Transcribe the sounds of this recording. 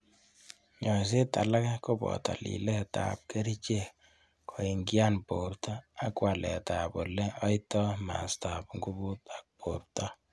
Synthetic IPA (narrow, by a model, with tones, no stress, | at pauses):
ɲɔ˨s̬e˦ta˨la˦kɛ˦ko˦bɔ̰˨ta̰˨lḭ˨lɛ˦ta̰˨p̚ke˦ɾi˦t͡ʃe˦˨ | kʰo˨i˨ŋɡja˦npo˨ɾtɔ˦a˨˦kwa˨lɛ̰˨ta˨bo˨lɛ˦ɔ˦jtɔ˦ma̰˨sta˨pŋɡu˦bu˦ta˨k̚po˨ɾtɔ˦